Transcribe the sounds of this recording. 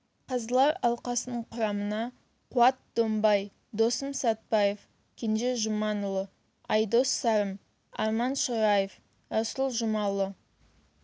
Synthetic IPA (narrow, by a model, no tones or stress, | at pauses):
qʰɑzəlˠɑɾɑlˠqɑsənəɴqʰʊɾɑmənɑ | qʰʊɑt̪̚d̪ombɑj | d̪o̞səmsɑt̪̚bɑjef | kʲʰenʒeʒʊmɑnʊlˠə | ɑjd̪o̞sːɑɾəm | ɑɾmɑnʃoɾɑjef | ɑsʊlˠʒʊmɑlˠːə